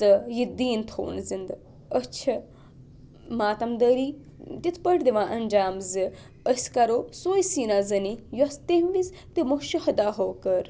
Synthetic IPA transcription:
ɐjid̪iːnt̪ʰo̰ːnzind̪ | ət͡ʃʰɐ | maːt̪ɐmd̪əɾiː | t̪it̪ʰpəʈd̪iʋãːʔɐnd͡ʒaːmzɨ | əsʲkɐɾoːsoːjsiːnazɐnijɐst̪eʋis | t̪imoʃihɐd̪aːɦoːkɐɾ

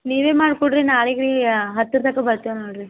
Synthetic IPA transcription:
niːʋeːmaːɽkoɽɖɾinaːɭiɡɐɭiɦɐt̪ːiɾt̪ɐkːɐbɐɾt̪ianoːɽɾi

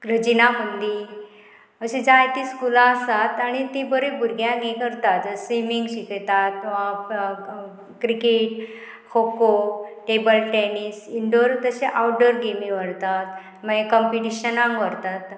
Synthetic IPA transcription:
ɾəd͡ʑinamənd̪i | əɕẽd͡ʑajt̪iskulaəsat̪aɽ̃it̪ibəɾebʱuɾɡjãɡekəɾt̪at̪simiŋɡɕikəjt̪at̪ | kɾikeʈ | kʰokoʈebəlʈenisiɳɖoɾt̪əɕeʔawɖəɾɡemĩʋəɽt̪at̪̚ | məɡekɔmpiʈiɕənãŋkʋəɾt̪at̪

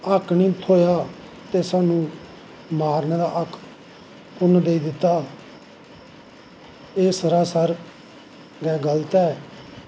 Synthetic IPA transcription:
əkʰniːt̪ʰoːjaː | t̪eːsaːnũː | maːɾneːɾaːʔəkʰː | ʊnd̪eːiːd̪ɪt̪ːaː | eːsəɾaːsəɾ | ɡɛːɡəlt̪ɛː

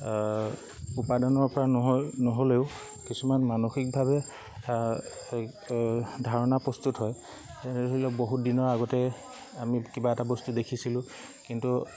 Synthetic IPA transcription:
upadɔnɔɹpɔɹanɔɦoleʊ | kisumanmanoxik̚bʱabɛ | dʱaɹɔnapɹɔstutɦɔj | ɛnɛilɛboɦut̚dinɔɹaɡɔtɛ | amikibaɛtabɔstudekʰisilʊ̃ | kintu

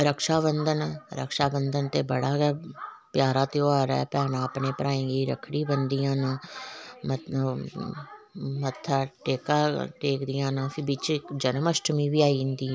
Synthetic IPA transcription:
ɾəkʃaːβənd̪ənɾə̰kʃaːbənd̪ənt̪eːbəɽaːɡɛːpjaːɾaːt̪eːoːaːɾɛ̰ːpɛːnãːəpneːpəɾaːẽːɡiːɾə̰kʰɽiːbənd̪ijãːnaːmə | mət̪ʰːaːʈeːkaːʈeːkd̪ɪjãːnaːfʰɪbiːt͡ʃd͡ʒənəməsʈəmiːbiːaːiɪnd̪iː

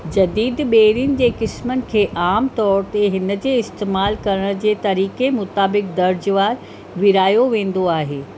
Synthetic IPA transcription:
d͡ʑɐd̪iːd̪ɓeːɾijʊnɪ̆d͡ʑeːkɪsmənɪ̆kʰeːʔaːmt̪ɔːɾt̪eɦɪnə̆d͡ʑeːɪst̪eːmaːlkɐɾəɽ̃d͡ʑeːt̪ɐɾiːkemʊt̪aːbɪk̚d̪ɐɾd͡ʑʋaːɾ | ʋɪɾaːjoʋẽːn̆d̪oaːɦeː

